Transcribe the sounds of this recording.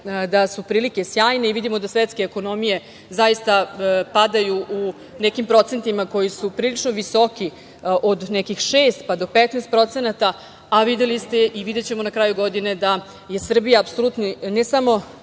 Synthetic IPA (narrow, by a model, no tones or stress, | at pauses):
d̪asupɾiːlike̞sjaːjne̞iʋid̪imo̞d̪asʋet̪skeːko̞no̞mije̞ | zajist̪apad̪ajuʔu | nekimpɾo̞t̪se̞nt̪imako̞jisupɾiːlit͡ʂnoʋiso̞ki | ʔod̪nekixʃeːst̪̚pad̪o̞pet̪nest̪pɾo̞t̪se̞nat̪a | aʋid̪e̞list̪e̞ʔiʋid̪e̞t͡ɕe̞mo̞nakɾaːjuɡo̞d̪ine̞d̪a | je̞sr̩bijaːpso̞lˠut̪ninɛsamo̞